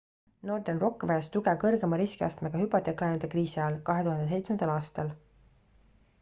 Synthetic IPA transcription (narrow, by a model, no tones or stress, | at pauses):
no̞ːrd̪̥enro̞kːvæɑst̪uɡ̥ekɤrɡe̞mɑɾiskiɑst̪meɡ̥ɑhypːˑɑt̪ːˑekːlɑjnud̪ekriːsiɑɑlkɑɦe̞t̪uɦɑnd̪e̞se̞jt̪smend̪̥ɑlɑːst̪ɑl